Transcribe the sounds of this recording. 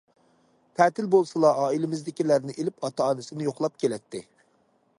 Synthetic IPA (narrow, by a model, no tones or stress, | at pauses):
t̪ʰæːt̪ɪlbolˠsɨlˠɑɑːilɪmɪzd̪ɪkʲilæɾnɪʔelɪpɑt̪ʰɑːnɨsɪnɪjoχlˠɑp̚kʲelɛt̪ʰːɪ